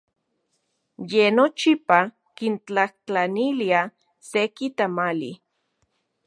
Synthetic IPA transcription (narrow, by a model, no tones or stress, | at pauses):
jenot͡ʃipa | kint͡ɬaht͡ɬanilia | sekit̪amalḭ